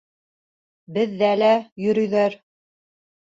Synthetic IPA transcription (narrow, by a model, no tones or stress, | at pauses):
bɘ̆ðːælæjɵ̆ɾɵ̆jðæɾ